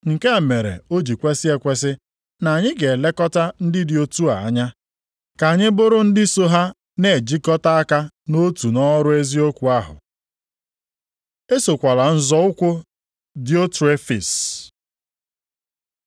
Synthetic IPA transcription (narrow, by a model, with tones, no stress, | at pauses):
ŋ̩˨ke˦a˨me˨ɾḛ˨o˦d͡ʒi˨kʷe˦sɪ˦e˦kʷe˦s̬ɪ˦ | na˨ɲɪ˦ɡe˨le˦kɔ˦ta˦n̩˦dɪ˦dɪ˨o˦tu˦a˨a˦ɲa˦ | ka˨a˨ɲɪ˦bʊ˦ɾʊ˦n̩˦dɪ˦so˦ɦa˦ | ne˨d͡ʒi˦kɔ˦ta˦a˦ka˦ | no˦tu˨nɔ˦ɾʊ˦e˦zi˦o˦kʷu˨a˦ɦʊ̰˨ | e˦so˨kʷa˨la˨n̩˦zɔ˦ʊ˦kʷʊ˦ | dɪ˨˦o˦te˦fḭ˨s